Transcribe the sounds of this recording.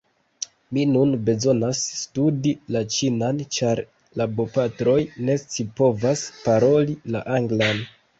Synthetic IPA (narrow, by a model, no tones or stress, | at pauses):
minunbe̞zo̞nasːtudilat͡ʃinant͡ʃaɾ | labo̞patɾo̞jne̞t͡sipo̞vaspaɾo̞lilaʔaŋɡlan